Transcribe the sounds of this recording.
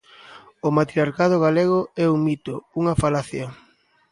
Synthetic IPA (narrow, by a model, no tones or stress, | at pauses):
ʊmat̪ɾiaɾkað̞ʊɣaleɣ̞oɛuŋmit̪ouŋɐfalaθjɐ